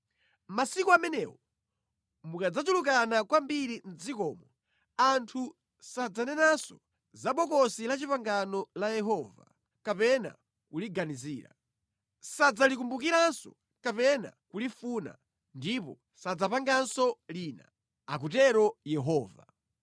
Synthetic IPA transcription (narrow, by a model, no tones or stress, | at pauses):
masikɔamɛnɛːwɔ | mukad͡zad͡ʒulukanakwambiɾin̩d͡zikɔːmɔ | antʰu | sad͡zanɛnasɔ | zaɓɔkɔsilat͡ʃipaŋɡanɔlajɛɦɔːva̰ | kapɛna̰ | kuliɡaniziːɾa̰ | sad͡zalik̬umbukiɾansɔ̰ | kapɛna̰kulifuna̰ | ndipɔ | sad͡zapaŋɡansɔlina̰ | ak̬utɛɾɔjɛɦɔːva̰